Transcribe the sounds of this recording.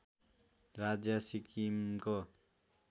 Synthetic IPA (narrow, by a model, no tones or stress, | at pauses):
rad͡zjasikimko